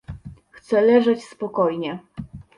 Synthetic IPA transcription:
xt̪sɛlɛʐɛt͡ɕspɔkɔjɲɛ

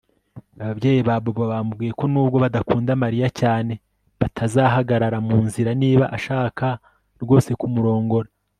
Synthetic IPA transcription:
aβabɟe̞ːjiβaːbobaβamubɡiːje̞ko̞nuːb̚ɡo̞βadakuːndamaɾijacaːne̞ | βatʰazaɦaɡaɾaɾamuːnziɾaniːβaʔaʃaːkʰa | ɾɡo̞ːse̞kumuɾo̞ːŋɡo̞ɾa

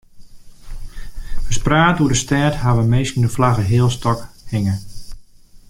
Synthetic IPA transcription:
əspraːtudəstɛtɦaʋəmejskənəflaɣəɦɪːəlˠstɔkhɪŋə

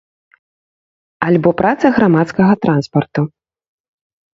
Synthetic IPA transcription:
alʲbɔpɾat̪sɐɣɾamat̪skɐɣɐt̪ɾanspɐrt̪u

